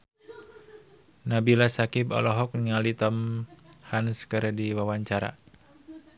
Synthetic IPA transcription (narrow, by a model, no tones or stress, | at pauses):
nabilasakibɔ̰lɔɦɔk̚niŋalit̪əmhanskəɾdiwawaɲt͡ʃaɾa̰